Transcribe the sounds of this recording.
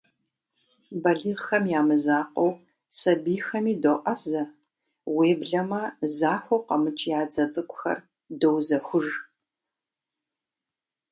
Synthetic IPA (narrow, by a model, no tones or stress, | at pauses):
bɐɮiːʁxɐmjaːmɨzaːqow | sɐbiːxɐmiːdoʔɐzɐ | weːbɮɐmɐzaːħʷowqɐmɨt͡ʃʼjaːd͡zɐt͡sʼɨkʷʼʊxɐ̰r | dowzɐxʷʊʒ